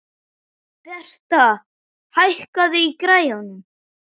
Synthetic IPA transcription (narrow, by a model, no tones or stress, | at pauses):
θɛr̥t̪a | hajhkaðʏikɾaːjanʏm